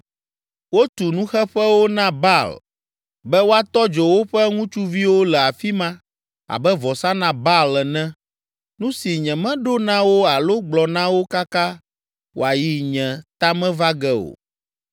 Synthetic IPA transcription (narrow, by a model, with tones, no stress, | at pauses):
wo˦t̪u˨nũ˦xɛ˦ɸɛ˦wo˦nã˦ba˦˨l | bɛ˦wo˦a˦t̪ɔ˦d͡ʒɔ˨wo˦ɸɛ˦ŋũ˦t͡ʃu˦vi˦wo˦lɛ˨a˨fi˦mã˦ | a̰˨bɛ˦vɔ˨sa˦nã˦ba˦lɛ˨nɛ̃˦ | nũ˦si˨ɲɛ̃˨mɛ̃˦ɖo˦nã˦wo˦a˨lo˦ɡ͡blɔ˨nã˦wo˦ka˦ka˦ | wo̰˨a˨ji˦ɲɛ̃˨t̪a˦mɛ̃˦va˦ɡɛ˦o̰˨